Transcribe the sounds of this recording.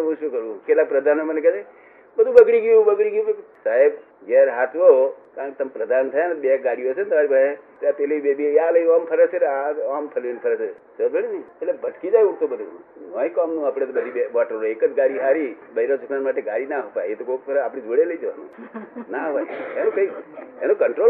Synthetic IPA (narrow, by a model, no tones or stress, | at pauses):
ũʃokəɾũkelak̚pɾəd̪ʱanomənekɛsa | bəd̪ʱũbəɡɽiɡũbəɡɽiɡjũsaɦeb | d͡ʒeɾɦat̪ʰʋokaɾənket̪əmpɾəd̪ʱant̪ʰəjanbeɡaɽiəsent̪əmaːɾibae | at̪eleibebialəampʰəɾəseɾaampʰəlenipʰəɾəsesəbʱəɽinieʈlebʱəʈkid͡ʒajũt̪obəd̪ʱṵnɔĩkɔmnũaːpɽ̃et̪bəd̪ʱibeʋɔʈəɾoekəd͡ʒɡaɽiɦaɾibəiɾot͡ʃuknanmaʈ̬eɡaɽinaɦəpajet̪okopɾaːpɽ̃id͡ʒoɽeləid͡ʒəʋanṵ̃naɦʋaenũkəienũkəɳʈɾo